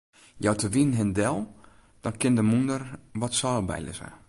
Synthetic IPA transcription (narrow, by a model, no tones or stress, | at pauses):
jɔwtʰəʋinɦɪndɛlˠ | d̥ɔnkɪndəmundərʋɔtsɔːbɛ̰jlə̰sə̰